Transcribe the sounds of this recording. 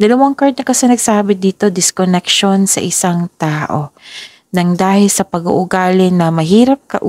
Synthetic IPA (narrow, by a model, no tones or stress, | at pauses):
d̪ɐlɐwaŋkaɹd̪̚nɐkɐsɛnɐɡsaːbɪd̪iːt̪o̞d̪ɪskonɛkʃo̞nsɐ̰ʔɪsaŋt̪aːʔo | nɐŋd̪aːhɪlsɐpɐɡṵʔʊɡaːlɪnɐmɐɦiːɾɐp̚kɐ̰ʔ